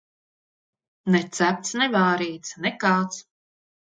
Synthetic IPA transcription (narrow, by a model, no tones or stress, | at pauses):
nɛt̪sæp̚t̪snɛvaːɾiːt̪snɛkaːt̪s